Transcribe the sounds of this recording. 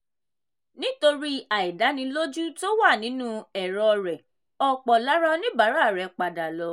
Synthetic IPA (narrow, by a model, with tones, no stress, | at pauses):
nĩ˦to˧ɾi˦a˨i˨da˨˦nĩ˧lo˦d͡ʒu˦to˦wa˦˨nĩ˨˦nũ˦ɛ˨ɾɔ˧ɾɛ˨ | ɔ˦˨k͡pɔ˨la˨˦ɾa˦nĩ˦ba˨˦ɾa˦˨ɾɛ˨k͡pa˧da˨lɔ˨˦